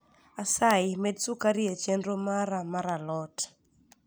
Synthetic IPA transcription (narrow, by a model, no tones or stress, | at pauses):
asajmedsukaɾɪet͡ʃendɾomaɾamaɾalɔt